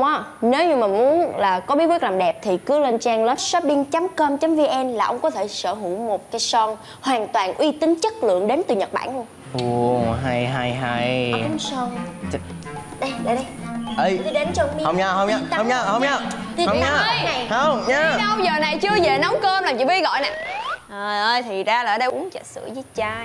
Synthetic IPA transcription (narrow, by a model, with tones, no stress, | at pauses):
ʔaː˨˦ne˨˦wɲɨ˧maː˨˩mu˨˦ənlaː˨˩kɔ˨˦ɓi˨˦˥kwi˦˥k̚laː˨˩mɗɛ˨˩p̚t̪ʰi˨˩kɨ˨˦le˧nt͡ɕaː˧ŋləː˦˥t̚sə˦˥p̚ɗi˧ŋt͡ɕa˨˦mkəː˧mt͡ɕa˨˦mvi˧ʔɛ˧nlaː˨˩ʔə˧wŋ͡mkɔ˨˦t̪ʰe˧˩səː˧˩ɦu˧˩wmo˨˩t̚kaː˨˦jsɔ˧n | hwaː˨˩nt̪waː˨˩nʔwi˧t̪ï˨˦ŋ̟t͡ɕə˦˥t̚lɨ̰˧˨əŋɗe˨˦nt̪ɨ˨˩ɲə˨˩t̚ɓa̰ː˧˩˨nh | ʔu˧˩ɦa˧jɦa˧˩jɦa˧jŋ͡msɔ˧n˧˩ | ɗə˧ɗə˧˩jɗə˧jʔə˧˩jɗe˨˦nɔ˧i˧hə˧wŋ͡mɲaː˧ɦə˧ŋ͡mɲa˧ə˧wŋ͡mɲaː˧hə˧wŋ͡mɲa˧hə˧˨ŋ͡mɲaː˧ə˧na˨˩jhə˧wŋ͡mɲaː˧wzəː˨˩na˨˩jt͡ɕɨ˧əze˨˩nɔ˨˦wkəː˧mlaː˨˩mt͡ɕḭ˧˩ɓi˧ɣɔ̰˧˨jna˨˩ʔəː˨˩ʔəː˧jt̪ʰi˨˩zaː˧laː˨˧˦ɗə˧jʔʊ˨˦əŋt͡ɕə˧˩t̚sɨ̰˧˩˥əzəː˨˦t͡ɕaː˧